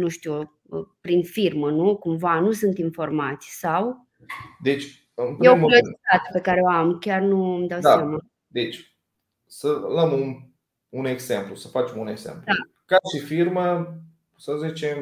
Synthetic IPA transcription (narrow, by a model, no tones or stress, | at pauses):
nuʃt̪u | əpɾinfirmənukumvanusunt̪info̞rmat̪sʲsaw | d̪e̞t͡ʃʲ | ɨnpjjemloit̪at̪pe̞kaɾeoamkʲarnumd̪awsaama | d̪et͡ʃʲ | sələmun | une̞ɡzemplusəfat͡ʃemune̞ɡzḛmpld̪a | kaʃifirmə | səzit͡ʃem